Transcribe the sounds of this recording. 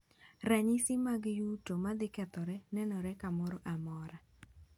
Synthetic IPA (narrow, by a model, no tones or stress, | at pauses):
raɲɪsɪmaɡjutomad̪ɪkɛt̪ɔɾɛnɛnɔɾɛkamɔɾɔʔamɔɾa